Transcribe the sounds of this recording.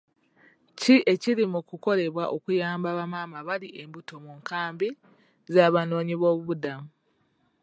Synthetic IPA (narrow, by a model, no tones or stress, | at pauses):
ciʔe̞ciɾimukuko̞le̞βwaʔo̞kujaːmbaβamaːmaβaliʔe̞mbuto̞muŋkaːmbi | zaːβano̞ːɲiβo̞ːβuβudamu